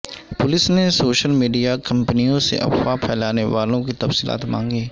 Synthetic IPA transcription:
pʊlɪsnesoːʃəlmiːɖijakɐ̃mpnijõsḛʔɐ̰xwapʰɛːlaːneʋaːlõk̬it̪ɐfsiːla̰ːt̪mã̰ːŋɡeː

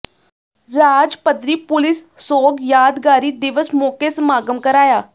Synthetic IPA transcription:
ɾaːd͡ʒpəd̪ɾiːpʊlɪs | soːɡjaːd̪ɡaːɾiːd̪ɪʋəsmoːkesmaːɡəmkəɾaːjaː

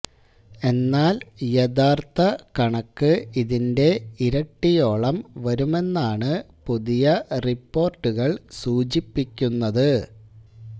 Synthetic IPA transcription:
e̞nːaːljeðaːrt̪ɐkɐɳɐkːɨiðinde̞iɾɐʈːijo̞ːɭɐmʋɐɾume̞nːaːɳɨ | puðijɐripːo̞ːrʈːuɣɐɭsuːt͡ɕipːikʲːunːɐðɨ

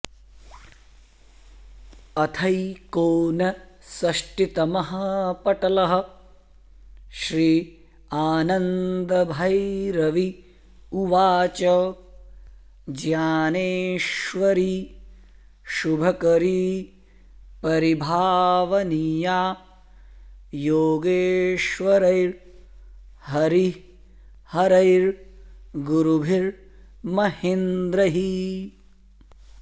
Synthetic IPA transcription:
ɐt̪ʰɐjkoːnɐsɐʃʈit̪ɐmɐɦɐpɐʈɐlɐɦɐ̆ | ʃɾiː | aːnɐnd̪ɐbʱɐjɾɐʋi | uʋaːt͡ʃɐ | d͡ʒjaːneːʃʋɐɾiː | ʃubʱɐkɐɾi | pɐɾibʱaːʋɐnijaː | joːɡeːʃʋɐɾɐjɾ | hɐɾi | hɐɾɐjɾ | ɡuɾubʱiɾ | mɐhind̪ɾɐɦi

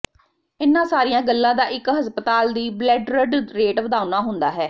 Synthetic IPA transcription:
ɪnːãːsaːɾijãːɡəlːãːd̪aːʔɪkɦəspət̪aːld̪iːblɛːɖɾəɖɾeːʈʋəd̪aːʊnaːɦʊ̃nd̪aːɦɛː

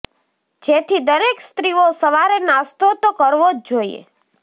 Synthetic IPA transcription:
d͡ʒet̪ʰid̪əɾekst̪ɾiosəʋaɾenast̪ot̪okəɾʋod͡ʒd͡ʒoijḛ

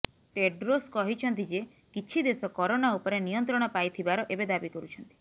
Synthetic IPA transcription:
ʈeɖɾoskɔɦit͡ʃʰɔnt̪id͡ʒe | kit͡ʃʰid̪esɔkɔɾonaupɔɾenijɔnt̪ɾɔɽ̃ɔpajt̪ʰibaɾɔʔebed̪abikɔɾut͡ʃʰɔnt̪i̥

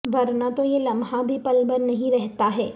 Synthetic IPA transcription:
ʋɐɾnat̪ojelɐ̃mɦãbʱipɐlbəɾnɐɦĩɾɛɦt̪aɦɛː

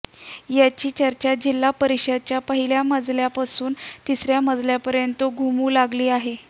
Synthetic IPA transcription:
jat͡ɕiːt͡ɕəɾt͡ɕad͡ʑilːapəɾiɕəd̪̚t͡ɕjapəɦiljaməd͡zljapasuːnt̪isɾjaməd͡zljapəɾjənt̪oɡʱumuːlaɡliːaɦe

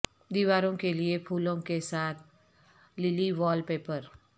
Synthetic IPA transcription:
d̪iʋaːɾõkeliepʰuːlõkesaːt̪ʰ | lɪliʋɔːlpeːpəɾ

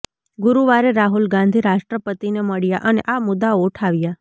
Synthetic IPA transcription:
ɡʊɾuʋaɾeɾaɦulɡãnd̪ʱiɾaʃʈɾəpət̪ineməɭja̰ʔənḛʔamʊd̪aoʈʰaʋja

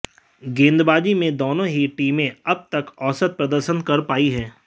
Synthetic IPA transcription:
ɡẽːnd̪baːd͡ʒimẽd̪oːnõɦiʈiːmẽɐb̚t̪ɐkɔːsət̪̚pɾɐd̪əɾʃənkɐɾpaːiɦɛː

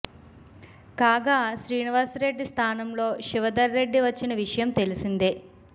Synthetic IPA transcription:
kaːɡaːʃɾiːniʋaːsɾe̞ɖːist̪ʰaːnɐmlo̞ːʃiʋɐd̪ɐɾːe̞ɖːiʋɐt͡ʃːinɐʋiʂɐjɐmt̪elisind̪i

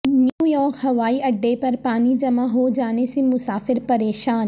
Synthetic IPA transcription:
njuːjɔːɾkɦɐʋaːiɐɖːepɐɾpaːnid͡ʑɐmaɦod͡ʑaːnesẽmʊsaːfɪɾpɐɾeːʃaːn

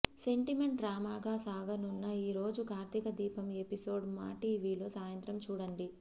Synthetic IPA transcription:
se̞ɳʈime̞ɳʈɾaːmaːɡaːsaːɡɐnunːɐiːɾo̞ːd͡ʒukaːɾt̪ikɐd̪iːpɐme̞piso̞ːɖma̰ːʈiːʋiːlo̞ːsaːjɐnt̪ɾɐmt͡ʃuːɽɐɳɖi

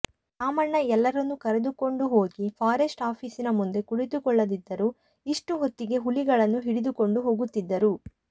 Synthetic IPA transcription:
aːmɐɳːɐɛlːɐɾɐnːukɐɾed̪uko̞ɳɖuɦo̞ːɡipʰaːɾesʈaːpʰiːsinɐmund̪e̞kuɽit̪ukɔɭːɐd̪id̪ːɐɾu | iʂʈuɦot̪ːiɡe̞ɦuliɡɐɭɐnːuɦiɽid̪uko̞ɳɖuɦo̞ːɡut̪ːid̪ːɐɾu

